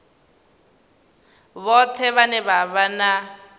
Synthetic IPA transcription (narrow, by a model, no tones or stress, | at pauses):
βɔtʰɛβanɛβaβana